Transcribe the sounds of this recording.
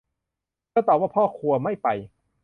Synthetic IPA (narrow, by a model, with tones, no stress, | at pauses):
kɔː˥˩t̪ɔː˨˩p̚waː˥˩pʰɔː˥˩kʰu˧ɐma˥˩jpa̰˧j